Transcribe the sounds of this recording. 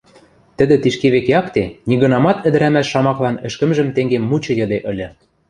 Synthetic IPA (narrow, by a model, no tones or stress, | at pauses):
t̪ɘ̆d̪ɘ̆t̪iʃkeβekeɑkt̪enʲiɣɤ̆nɑmɑt̪ɘ̆d̪ɘ̆ɾæmæʃːɑmɑklɑnɘ̆ʃkə̆mʒə̆mt̪eŋɡemmːut͡ɕɤ̆jɤ̆d̪eʔɤ̆lʲɤ̆